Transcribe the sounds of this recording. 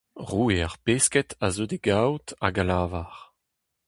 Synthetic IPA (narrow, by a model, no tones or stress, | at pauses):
ʁuːeaʁpeskɛtazod̪eɡawta̰ɡalaːvaʁ